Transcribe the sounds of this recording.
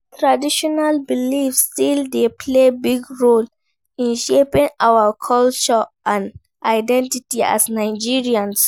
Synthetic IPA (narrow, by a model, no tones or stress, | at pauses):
tʰɹadiʃɔnalbilifstildepʰlebiɡɹol | ĩnʃepĩŋawakʰɔlt͡ʃɔʔãn | ʔaɪdɛ̃ntitia̰snaɪd͡ʒiɹiãns